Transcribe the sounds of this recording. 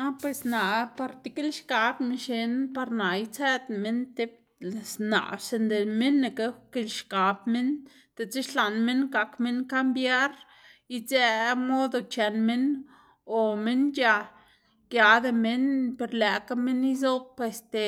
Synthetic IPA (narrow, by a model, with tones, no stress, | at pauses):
a˦pwe˧sna˨pa˧ɾt̪e˧ke˦lʃka˨˧bme˧nʃe˧npa˧ɾna˨jt͡se˦d̪me˧nt̪e˦˨ | sna̰˨ʔse˧nd̪e˨me˦nːe˧ke˧˦ke˧lʃka˨˧b̚me˦n | t̪e˨t͡se˦ʃla˨nme˦nɡa˨kme˦nka˦mbja˦ɾ | i˧ze˧mo˦d̪o˧t͡ʃe˨nme˦n | o˨me˦nja˧ | kja˨d̪e˧me˦npe˧ɾlæ˨ka˦me˦ni˦z̬o˦b̚pwe˧st̪e˨